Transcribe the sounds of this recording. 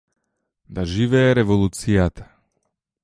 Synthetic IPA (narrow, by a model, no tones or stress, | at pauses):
d̪aʒivɛːɾɛvɔlˠut̪sijat̪ḁ